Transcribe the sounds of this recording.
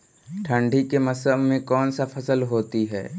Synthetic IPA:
ʈʰə̃ɳɖʱikemɐsəmmẽkɔːnsapʰəsəlɦoːt̪iɦɛ̰ː

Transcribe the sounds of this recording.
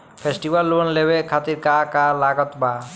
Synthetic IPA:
pʰesʈibalːunlebekʰat̪iɾkakalaɡɔt̪ba

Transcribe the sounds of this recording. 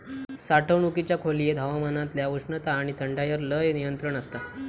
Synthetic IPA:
saʈʰəʋɳukit͡ɕjakʰolijed̪ʱaʋamanãt̪ljaʋuʂɳət̪aːɽ̃it̪ʰəɳɖajəɾləjnijənt̪ɾəɳəst̪a

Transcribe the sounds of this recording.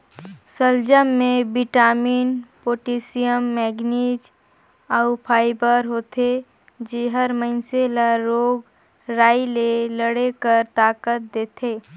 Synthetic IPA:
səld͡ʒəmːẽbɪʈaːmiːnpoːʈiːsijəmːɛːɡniːd͡ʒ | aʊpʰaːɪbəɾɦoːt̪ʰe | d͡ʒiɦəɾməɪnselaɾoːɡ | ɾaːileləɽekəɾt̪aːkət̪̚d̪eːt̪ʰeː

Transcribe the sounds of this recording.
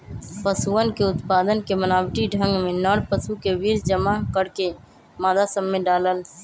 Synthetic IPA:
pəsuənkeʊt̪paːd̪ənkemənaːwʈiɖʱə̃ŋɡmẽnɔːɽpəsukeʋiːɾd͡ʒəmakəɽke | maːd̪asəmːeɖaːləl

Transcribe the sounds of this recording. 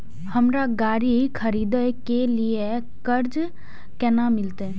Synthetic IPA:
həmɾaɡaːɾikʰəɾiːd̪əkelie | kəɾd͡ʒ | kɛnamɪlt̪e

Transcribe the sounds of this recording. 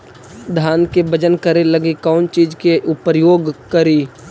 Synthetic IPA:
d̪ʱaːnkebəd͡ʒənkəɾeləɡekɔːnt͡ʃiːd͡ʒkeʔʊpəɾjoːɡkəɾiː

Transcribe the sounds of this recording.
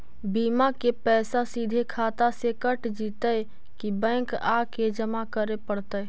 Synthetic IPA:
biːmakepɛːsasid̪ʱekʰaːt̪asekəʈd͡ʒiːt̪əj | kibɛ̃ːŋkaked͡ʒəmakəɾepəɽt̪ə

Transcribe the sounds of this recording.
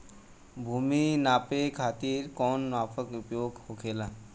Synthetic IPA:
bʱuːminaːpekʰaːt̪iːɾkɔːnmaːpʰəkʊpjoːɡhoːkʰeːlaː

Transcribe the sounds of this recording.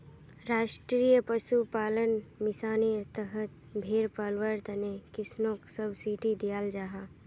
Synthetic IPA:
ɾaːʃʈɾiːjəpəʃupaːlənmɪsaːniəɾt̪əɦət̪ | bʱeɾpalwəɾt̪ənekɪsnõksəbsiːʈid̪ijaːld͡ʒaːɦa

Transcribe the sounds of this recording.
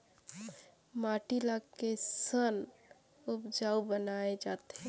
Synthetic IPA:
maʈilaɡkesən | upd͡ʒaubənaed͡ʒat̪ɛ̃

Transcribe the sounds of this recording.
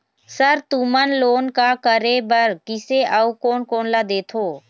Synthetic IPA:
səɾt̪umənloːnkakəɾebəɾkɪseʔəukoːnkoːnlad̪eːt̪ʰoː

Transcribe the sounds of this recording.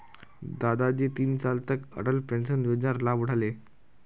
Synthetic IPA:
d̪ad̪ad͡ʑet̪iːnsalt̪əkə̰ɽəlpɛnsənʋed͡ʑaɾlabuɽ̤ale

